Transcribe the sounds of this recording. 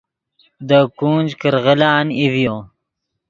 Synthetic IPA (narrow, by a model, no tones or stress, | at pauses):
d̪əkuːnd͡ʒkəɾʁəlaːnivjoː